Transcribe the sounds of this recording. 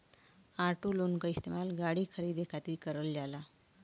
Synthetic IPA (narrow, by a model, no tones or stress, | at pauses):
aʈulunkaist̪emalɡaɽiːkʰəɾiːd̪ekʰat̪iːkəɾəllala